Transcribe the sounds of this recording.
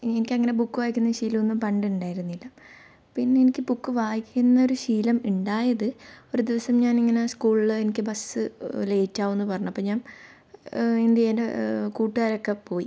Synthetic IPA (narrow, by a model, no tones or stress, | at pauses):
enikʲːɐŋːɐne̞bukːɨʋaːjikʲːunːɐɕiːlɐonːɨmpɐɳɖɨuɳɖaːjiɾunːilːɐ | pinːe̞enikʲːɨbukːɨʋaːjikʲːunːɐo̞ɾuɕiːlɐmuɳɖaːjɐðɨoɾud̪iʋɐsɐmɲaːniŋːɐne̞skuːɭilenikʲːɨbɐsɨle̞ːt͡ɕːaːʋonːɨpɐrɐɲumɐpːoːɲaːm | ind̪iendekuːʈːɨɣaːɾo̞kːepo̞ːji